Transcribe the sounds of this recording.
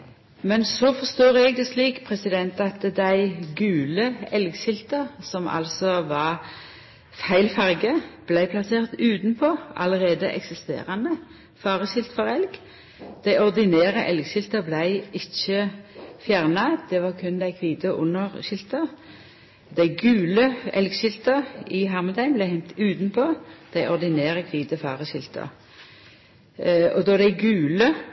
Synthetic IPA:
mɛnsɔːfɔʁst̪oːʁɛɡ̚d̪ɛsliːkpʰʁɛsɪd̪ɛnt̪ɑt̪d̪æɪɡʉːləɛlɡʃɪlt̪əʁsɔmʔɑ̰lsɔʋɑʁ | fæɪlfɑʁɡəb̥læɪpʰlɑseːʁt̪ʉːt̪npʰoːɑ̰ləʁeːd̪əʔɛ̰ksɪst̪ḛːʁɑnə | fɑːʁəʃɪlt̪fɔʁɛlɡ | d̪̥æɪɔʁd̪ɪnæːʁəʔɛlɡʃɪlt̪əblæɪʔɪçəfjæːʁnɑd̪̥ɛʋɑʁkʰʉnd̪æɪkʰʋiːd̪əʔʊnəʁʃɪlt̪ə | d̪æɪɡʉːləɛ̰lɡʃɪlt̪əʁɪɦɑʁməd̪æɪnblæɪhɛnt̪ʉːt̪npʰoːd̪̥æɪʔɔʁd̪ɪneːʁəkʰʋiːd̪əfɑːʁəʃɪlt̪ʰə̰ʁ | ɔd̪ɔd̪æɪɡʉːlə

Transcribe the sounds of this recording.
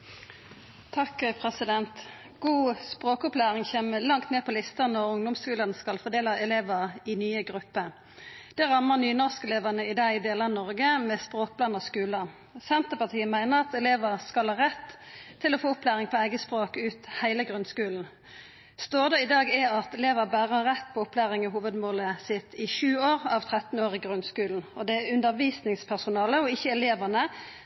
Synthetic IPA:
t̪ʰɑkpʰʁɛsɪd̪ɛnt̪ | ɡ̥uːspʁoːkɔplæːʁɪŋçeːməlɑŋt̪neːpʰɔlɪst̪ɑnɔʁʊŋd̪ʊmskʉːlənskɑlfɔd̪eːləɛleːʋəʁɪnyːəɡʁʉpːə | d̪̥ɛʁɑmːəʁnyːnɔʁskɛleːʋənəɪd̪ɑːɪd̪eːlɑnɔʁɡəmɛspʁoːk̚blɑnɑskʉːlə | sɛnt̪əpɑt̪ʰiːəmæɪnəʁɑt̪ɛleːʋəʁskɑlhɑʁɛt̪ʰː | ɪlɔfoːʊplæːʁɪŋpʰɔæɪɡəspʁoːkʉːt̪hæɪləɡʁʉnskʉːln̩ | st̪oːd̪əɪd̪ɑːɡɛɑt̪ɛleːʋəbæːʁəʁɛt̪ːpʰɔʊplæːʁɪŋəɦuːʋəd̪moːləsɪt̪ʰɪʃʉːoːʁɑʋt̪ʰʁɛt̪n̩oːʁɪɡʁʉnskʉːln̩ɔd̪ɛʉnd̪əʁʋiːsnɪŋspʰæʁsʊnɑːləɔɪçːəɛleːʋənə

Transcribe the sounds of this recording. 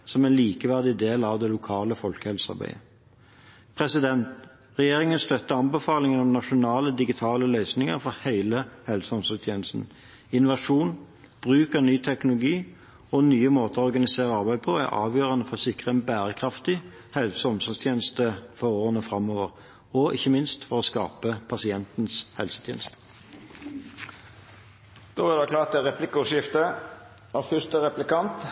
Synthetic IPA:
sɔmɛɪnliːkəʋæʁd̪ɪd̪eːlɑʋd̪ɛlʊkʰɑːləfɔlkəhɛlsɑ̰ʁbæ̰ɪə | pʰʁɛsɪd̪ɛnt̪ | ʁɛjeːʁɪŋənst̪œt̪ːəɑnbəfɑːlɪŋənɔmnɑʂʊnɑːləd̪ɪɡɪt̪ʰɑːləlœʏsnɪŋə̰ʁfɔʁhæɪləhɛlsɔmsɔt̪ʰjeːnəst̪n̩ | ɪnʊʋɑʂuːn | b̥ʁʉːkənyːt̪ʰɛknʊlʊɡiː | ɔnyːəmoːt̪əɔʁɡɑnɪseːʁəɑʁbæɪd̪̚pʰɔæ̰ʁʔɑ̰ːʋjøːʁɑnəfɔɔsɪkːʁəɛnbæːʁəkʰʁɑft̪ɪ | hɛlsɔmsɔst̪ʰjeːnəst̪əfɔʁoːɑnəfʁɑmoːʋəʁ | ɔʔɪçːəmɪnst̪fɔʁɔskɑ̰ːpəpʰɑsɪɛnt̪n̩shɛ̰lsə̥t̪ʰjḛːnst̪ə̥ | d̪̥oːæʁd̪ɛklɑːt̪ɪʁɛplɪkʊʂɪft̪ə | æfʏst̪əʁɛplɪkɑnt̪

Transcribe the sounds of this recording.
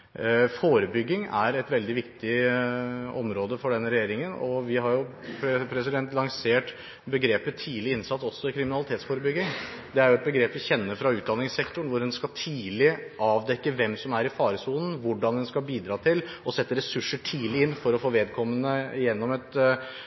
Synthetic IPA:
foːɾəbʏɡːɪŋæ̰ɾɛt̪ʋɛld̪ɪʋɪkt̪ɪ | ɔmɾoːd̪əfɔɖɛnːəɾɛjeːɾɪŋənɔʋɪɦɑɾjʊ | ppʰɾɛsɪd̪ɛnt̪lɑŋseːʈ | bəɡɾeːpət̪ʰiːlɪɪnsɑt̪ːɔsːɔɪkʰɾɪmɪnɑlɪt̪eːt̪sfoːɾəbʏɡːɪŋd̪ɛæɾjʊɛt̪̚bəɡɾeːpʋɪçɛnːəfɾɑʉːt̪̚d̪ɑnːɪŋsɛkt̪ʊɳʋʊɾɛnskɑlt̪ʰiːlɪʔɑːʋd̪ɛkːəʋɛmsɔmæɾɪfɑːɾəsuːnn̩ʋʊɖɑnd̪ɛnskɑlbiːd̪ɾɑːt̪ʰɪlɔsɛt̪ːəɾɛsʉʂəʈʰiːlɪɪnːfɔɾɔfoːʋeːd̪kʰɔmːənəɪjɛnːɔmɛt̪

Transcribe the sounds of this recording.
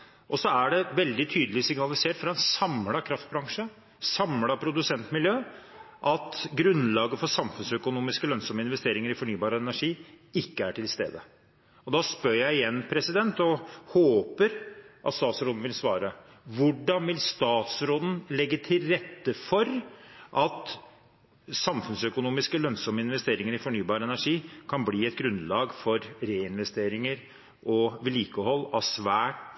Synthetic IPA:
ʔɔsɔæɖɛʋɛld̪ɪt̪ʰyːd̪əlɪsɪŋnɑlɪseːʈfɾɑɛnsɑmlɑkʰɾɑft̪̚bɾɑŋʂə | sɑmlɑpʰɾʊd̪ʉsɛnt̪mɪljøː | ʔɑt̪ɡɾʉnlɑːɡəfɔsɑmfʉnsœkʊnuːmɪskəlœnsɔmːəɪnʋɛst̪eːɾɪŋəɾɪfɔɳyːbɑːɾəɛnæʂiː | ɪkːəæʈʰɪlst̪ḛːd̪ə | ɔd̪ɑspœɾjæɪɪjɛnːpʰɾɛsɪd̪ɛnt̪ɔhoːpəɾʔɑ̰t̪st̪ɑːt̪sɾoːd̪n̩ʋɪlsʋɑːɾə | ʋʊɖɑnʋɪlst̪ɑːt̪sɾoːd̪n̩lɛɡːət̪ʰɪlɾɛt̪ːəfɔɾʔɑt̪ | sɑmfʉnsœkʊnuːmɪskəlœnsɔməɪnʋɛst̪eːɾɪŋəɾɪfɔɳyːbɑːɾəɛnæʂiːkʰɑnbliːɛt̪̚ɡɾʉnlɑːɡfɔɾɾeːɪnʋɛst̪eːɾɪŋəɾ | ʔɔʋɪliːkəɦɔlːɑʋsʋæːʈ

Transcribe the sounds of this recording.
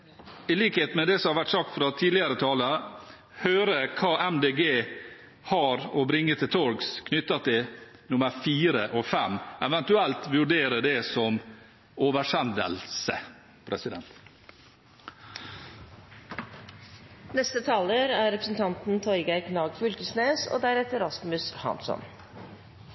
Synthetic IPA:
ɪliːkheːt̪̩mɛd̪ɛsɔmhɑɾʋæʈsɑk̚t̪fɾɑt̪ʰiːlɪəɾət̪ʰɑːlə | høːɾəkʰɑːʔɛmd̪eːɡeː | hɑɾɔbɾɪŋːət̪ʰɪlt̪ʰɔɾɡskʰnʏt̪ːɑt̪ʰɪnʊməɾfiːɾəʔɔfɛmɛʋɛnt̪ʉɛlt̪ʋʉɖeːɾəd̪ɛsɔm | oːʋəʂɛnd̪ə̰lsə | pʰɾɛsɪd̪ɛnt̪ | nɛst̪ət̪ʰɑːləɾæɾɛpɾəsn̩t̪ʰɑnt̪n̩t̪ʰɔʏɡɑɾknɑːɡfʉlkəsneːso̰ːd̪æɾɛt̪əɾɑsmʉshɑ̰nsɔ̰n

